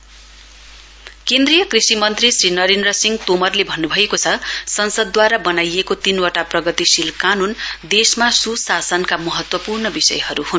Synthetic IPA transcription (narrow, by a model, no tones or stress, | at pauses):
kend̪rijʌkrisimʌnt̪risrinʌɾind̪rʌsiŋɡt̪omʌrlebʱʌnːubʱʌekot͡sʰʌsʌnsʌd̪ːwaɾabʌnajekot̪inwʌʈaprʌɡʌt̪isilkanund̪esmasusasʌnkamʌɦʌt̪wʌpurnʌbisʌ̰jhʌɾuhun